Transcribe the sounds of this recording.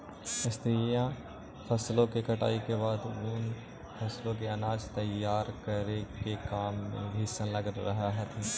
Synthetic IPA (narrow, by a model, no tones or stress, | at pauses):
ɪst̪ɾijã | fʰɐslõkekɐʈa̰ːikebaːd̪ʊn | fʰɐslõk̬eɐnaːd͡ʒt̪ɐjaːɾkəɾekekaːmːḛ̃bʱiːsə̃lɐɡɾɐɦaɦt̪ɦɛː